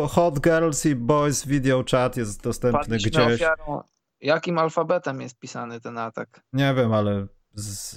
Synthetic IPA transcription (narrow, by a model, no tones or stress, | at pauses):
xɔd̪ɡɛɾlsibɔjsvʲid̪jɔt͡ʂat̪jɛst̪̚d̪ɔst̪ɛmpnɘɡd͡ʑeɕfjaɾɔ̃ | jakʲimalfabɛt̪ɛmjɛst̪̚pʲisanɘt̪ɛnat̪ak | ɲɛvʲjɛmalɛ | z